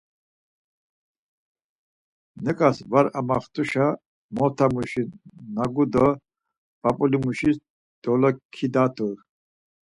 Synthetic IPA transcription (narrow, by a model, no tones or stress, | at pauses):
nɛkʼasvaɾamaχt̪ʰʼuʃa | mɔt̪ʰamuʃinaɡud̪ɔ | b̥apʼulimuʃis | d̪̥ɔlɔkʰid̪at̪ʰʼuɾ